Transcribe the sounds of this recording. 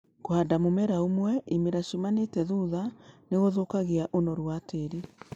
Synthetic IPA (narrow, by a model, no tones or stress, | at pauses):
koadamomɛɾaomwɛimeɾaʃomanetɛðuðaneɣoðokaɣeaʔonɔɾwateɾi